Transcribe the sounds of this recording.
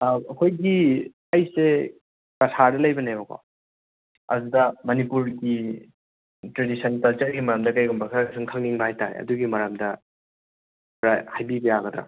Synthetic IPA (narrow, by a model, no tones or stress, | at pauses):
ɐkʰojɡi | ajse | kɐsʰadɐlɐjbɐnajbɐkʰo̰ | ɐ̰dudɐmɐnipuɾɡi | tɾedisɐnkɐlt͡ʃɐɾɡimɐɾamdɐkajɡumbɐkʰaɾakʰasɯŋkʰaŋniŋbɐhajtaɾḛɐ̰duɡimɐɾamdɐ | ɾahajbibɐjaɡɐdɾa̰